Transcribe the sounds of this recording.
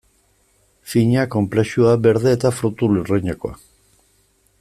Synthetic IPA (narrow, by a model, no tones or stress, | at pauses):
fiɲako̞mpleʃuabe̞ɾðe̞ːt̪afɾut̪ulureɲako̰a̰